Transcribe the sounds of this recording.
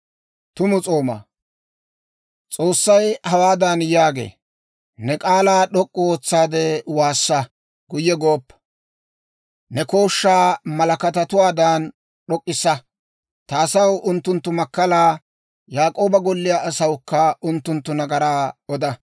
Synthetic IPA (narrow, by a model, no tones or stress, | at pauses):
t̪ʊmʊt͡sʼo̞ːmɐ̰ | t͡sʼo̞ːsːɐjhɐwaːd̪ɐnjaːɡḛː | nɛkʼaːlaːɗɔkʼːʊoːt͡sːaːd̪ɛwaːsːɐ | ɡʊjːɛɡoːpːɐ̥ | nɛko̞ːʃːaːmɐlɐkɐt̪ɐt̪ʊwaːd̪aːn | ɗɔkʼːɪsːɐ | t̪aːsɐwʔʊnt̪ːʊnt̪ːʊmɐkːɐlaː | jaːkʼo̞ːbɐɡɔlːɪjaːʔːsɐwʊkːɐʔʊnt̪ːʊnt̪ːʊnɐɡɐɾaːɔd̪ɐ